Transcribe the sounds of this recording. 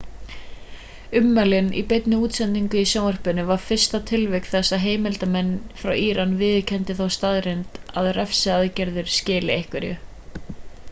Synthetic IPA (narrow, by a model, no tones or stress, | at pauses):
ʏmːalɪnḭpejt̪nɪuːt̪sɛnt̪iŋkʏisjaːwœr̥pɪnʏvaɾ̥fɪr̥st̪at̪ʰɪlvɪk̪θɛsːaɦeːjmɪlt̪amɛnːfɾawiːɾanːvɪːðcʰɛnt̪ɪθawst̪aðɾent̪aðrɛfsɪaðcɛɾðʏɾ̥scɪːlɪejhkvɪɾjʏ̰